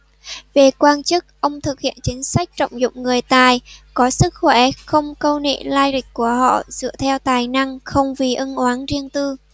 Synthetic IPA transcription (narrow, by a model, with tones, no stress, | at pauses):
ve˨˩kwaː˧nt͡ɕɨ˦˥k̚ʔə˧wŋ͡mt̪ʰɨ˨˩k̚hḭ˧˨ənt͡ɕï˨˦ŋ̟sa˦˥k̟̚t͡ɕə̰˧˨wŋ͡mzʊ̰˧˨ŋ͡mŋɨ˨˩əjt̪aː˨˩jkɔ˨˦sɨ˦˥k̚xwɛ˧˩xə˧wŋ͡mkə˧wnḛ˧˨laː˧jlï˨˩k̟̚kːu˧˩əhɔ̰˧˨zɨ̰˧˨ət̪ʰɛ˧wt̪aː˨˩jna˧ŋxə˧wŋ͡mvi˨˩ʔə˧nʔwaː˨˦nzi˧əŋt̪ɨ˧